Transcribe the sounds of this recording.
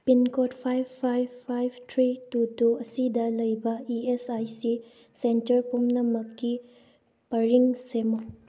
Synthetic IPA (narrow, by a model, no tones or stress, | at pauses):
pinkɔtpʰajpʰajbpʰːajbʰtʰɾitutuɐsidɐlɐjbɐiesajsi | sentɐɾpumnɐmɐkːi | pɐɾiŋsemo